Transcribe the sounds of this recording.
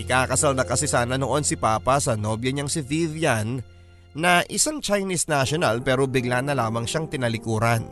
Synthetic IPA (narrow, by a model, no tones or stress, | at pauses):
ʔɪkakɐsalnɐkɐsɪsaːnɐnoʔo̞nsɪpaːpɐsɐnoːbjɐɲaŋsɪvivjanː | ɐʔɪsaŋt͡ʃɐjnisnaʃonɐlpɛːɾobɪɡlanːɐlaːmɐŋʃaŋt̪ɪnɐlɪkuːɾɐn